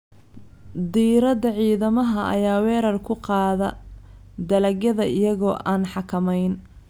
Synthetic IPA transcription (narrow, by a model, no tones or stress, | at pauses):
d̪iːɾɐd̪ɐʕiːðɐmɐɦɐʔɐ̰jaːwɛːɾɐrkʰʊqɑːðɐ | d̪ɐlɐɣjɐðɐɪjɐɣɔːʔaːnħɑkʰɐmɛjn